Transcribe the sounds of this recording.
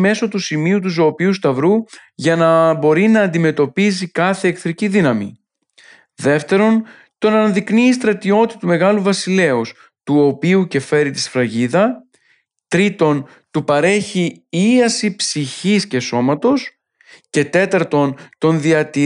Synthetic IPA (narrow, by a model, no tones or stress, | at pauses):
me̞so̞t̪usimiut̪̬uzo̞ːpiust̪ɐvɾuʝɐnɐbo̞ɾinɐːnd̪ime̞t̪o̞pizikɐθe̞ːkθɾiciðinɐmḭ | ðe̞ft̪e̞ɾo̞n | t̪o̞nɐnɐðikniːst̪ɾɐt̪io̞t̪iɐt̪ume̞ɣɐluvɐsile̞os | t̪uo̞piuce̞fe̞ɾit̪isfɾɐʝiðɐ | t̪ɾit̪o̞n | t̪upɐɾe̞çiiɐsipsiçisce̞so̞mɐt̪o̞s | ce̞t̪e̞t̪ɐɾt̪o̞nt̪o̞nðiɐt̪i